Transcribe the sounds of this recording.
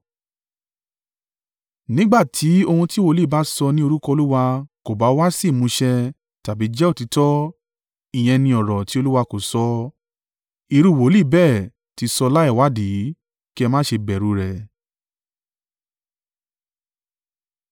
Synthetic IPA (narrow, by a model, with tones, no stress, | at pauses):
nĩ˦ɡ͡ba˦˨tʰi˨˦o˧hũ˧ti˦wo˦˧˦li˦˨ba˨˦sɔ˧nĩ˦o˧ɾu˦kɔ˧o˧lu˦wa˧ko˨ba˨˦wa˦si˦˨mũ˧ʃɛ˧ | ta˨bi˨˦d͡ʒɛ˦o˦˨ti˨˧˦tɔ˦ | i˨j̃ɛ̃˧nĩ˧ɔ˨ɾɔ˨ti˦o˧lu˦wa˧ko˨sɔ˧ | i˨˧˨ɾu˧˨wo˨˦li˦˨bɛ˦˨ | ti˨˧sɔ˧la˦ɛ˦˨wa˨˦di˨˦ | ki˦ɛ˧mã˦ʃe˧bɛ˨ɾu˨˧ɾɛ˧˨